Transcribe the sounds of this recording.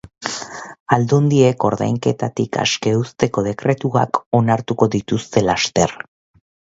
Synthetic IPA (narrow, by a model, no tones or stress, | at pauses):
ald̪ond̪ie̞ko̞ɾða̰jŋke̞t̪at̪ika̰ske̞ust̪e̞ko̞ð̞e̞kɾe̞t̪ua̰ko̞naɾt̪uko̞ðit̪ust̪e̞last̪e̞ɾ